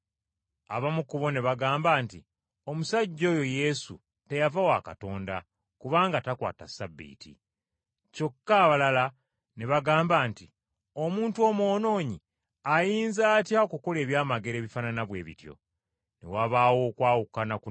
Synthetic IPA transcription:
a̰βamukuβo̞ne̞βaɡaːmbaːnti | o̞musaɟːo̞ːjo̞je̞sṵ | te̞javawaka̰to̞ːnda | kuβaːŋɡatakwa̰ːtasabːḭːtḭ | co̞kːaːβalala | ne̞βaɡaːmbaːnti | o̞muːntuo̞mo̞ːno̞ːɲi | ajiːnzaːtjaokuko̞le̞ːβjaːmaɡe̞ɾe̞ːβifananaβwe̞ːβḭtjo̞̰ | nḛwaβaːwo̞ːkwaːwukanaku

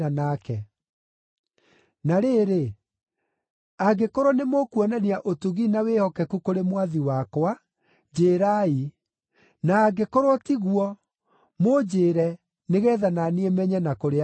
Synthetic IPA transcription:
anakɛ | naɾeːɾe | aɡekoɾonemokwɔnaniaʔotuɣinawehɔkɛkukoɾemwaðiwakwa | d͡ʑeːɾai | naːɡekoɾotiɣwɔ | mod͡ʑeːɾɛ | neɣɛːðananiɛmɛɲɛnakoɾe

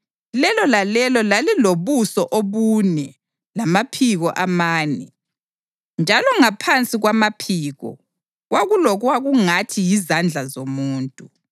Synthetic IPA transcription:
lɛlɔlalɛlɔlaliloβusɔʔoβunɛ | lamapʰiɣɔʔamaːnɛ̰ | nd͡ʒʱalɔŋapʰant͡sʼiɣwamapʰiːɣɔ̰ | ɣwaɣulɔɣwaɣuŋatʰijizand͡ɮʱazomuːntʼu

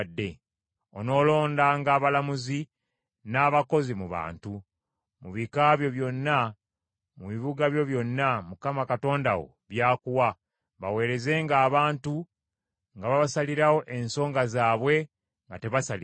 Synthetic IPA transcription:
dːe̞ | ono̞ːlo̞ːndaŋɡaːβalamuzi | naːβako̞zimuβa̰ːntu | muβikaβjo̞βjo̞nːa | muβiβuɡaβjo̞βjo̞nːamukamakato̞ːnda̰wo̞̰ | βjaːkuwa | βawe̞ːɾe̞ze̞ːŋɡaːβaːntu | ŋɡaβaβasaliɾawo̞ʔe̞nso̞ːŋɡazaːβwe̞ | ŋɡate̞βasal

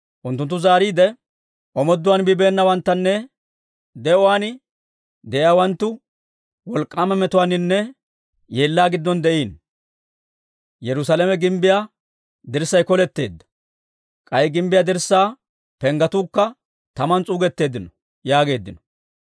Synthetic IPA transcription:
ʔʊnt̪ːʊnt̪ːʊzaːɾiːd̪ɛ | ʔɔmɔd̪ːʊwaːnbɪbe̞ːnːɐwɐnt̪ːɐnːɛ | d̪ɛʔɔwaːn | d̪ɛjaːwɐnt̪ːʊ | wɔlkʼːaːmɛmɛt̪ʊwaːnɪnːɛ | jeːlːaːɡɪd̪ːɔnd̪ɛʔiːn | jɛɾʊsaːlɛmɛɡɪmbɪjaː | d̪ɪɾsːɐjkɔlɛt̪ːe̞̰ːd̪ːɐ̥ | kʼɐjɡɪmbɪjaːd̪ɪɾsːaː | pɛŋɡɐt̪uːkːɐ | t̪ɐmɐnt͡sʼuːɡɛt̪ːe̞ːd̪ːɪnɔ | jaːɡe̞ːd̪ːɪnɔ̥

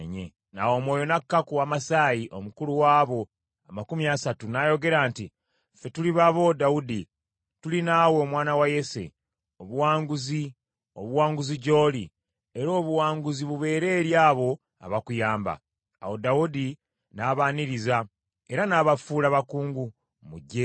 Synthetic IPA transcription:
ɲḛ | na̰wo̞mwo̞ːjo̞nakːakuwamasaːjiʔo̞mukuluwaːβo̞ | amakumiasatunajo̞ɡe̞ɾaːnti | fe̞tuliβaβo̞daudi | tulinaːwe̞ːmwaːnawaje̞se̞̰ | o̞βuwaːŋɡuzi | o̞̰βuwaːŋɡuziɟo̞ːli | e̞ɾo̞ːβuwaːŋɡuziβuβe̞ːɾe̞ːɾjaːβo̞ | a̰βakujaːmba̰ː | wo̞daudi | naːβaːniɾiza | e̞ɾanaːβafuːlaβakuːŋɡu | muɟːe̞

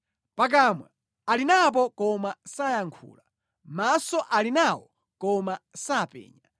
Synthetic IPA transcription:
pak̬amwɛ | alinap̬ɔkɔmasajaŋkʰṵːla | masɔʔalinawɔ | kɔmasapɛ̰ːɲa

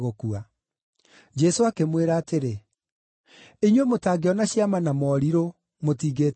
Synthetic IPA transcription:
ɣokua | d͡ʒɛsoakemweɾaːteɾe | eɲwemotaːɡeɔnaɕiamanamɔɾiɾo | motiːɣeːt

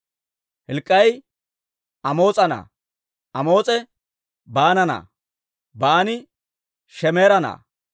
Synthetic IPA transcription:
hɪlkʼːɐj | ɐmo̞ːt͡sʼɐnɐ̰ | ɐmo̞ːt͡sʼɛ | baːnɐnɐ̰ | baːnɪ | ʃɛmeːɾɐnɐ̰ː

